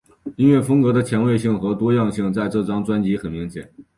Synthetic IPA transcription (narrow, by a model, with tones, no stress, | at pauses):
i˥nɥɛ˥˩fɤ˥ŋkɤ˧˥d̪ə˧t͡ɕʰjɛ˧˥nwe˥˧ɪɕi˥˩ŋxɤ˧˥t̪wɔ˥jɑ˥˧ŋɕi˥˧ŋt͡sa˥˧ɪʈ͡ʂɤ˥˩ʈ͡ʂɑ˥ŋt͡swa˥nt͡ɕi˧˥xə˨˩nmi˧˥ŋt͡ɕʰjɛ̰˨˩˦